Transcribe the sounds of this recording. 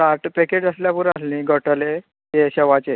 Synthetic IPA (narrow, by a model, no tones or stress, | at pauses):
aʈpɛked͡ʑəsljapuɾaslĩːɡʱəʈəle | jeɕɛʋat͡se